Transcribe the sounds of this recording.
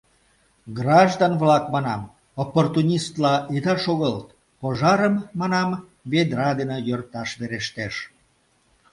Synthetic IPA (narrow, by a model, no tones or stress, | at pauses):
ɡrɑʒd̪ɑnβlɑkmɑnɑm | opːort̪unʲist̪lɑʔit̪ɑʃoɣəlt̪ | poʒɑɾəmːɑnɑm | βed̪ɾɑd̪enəjørt̪ɑʃβeɾeʃt̪eʃ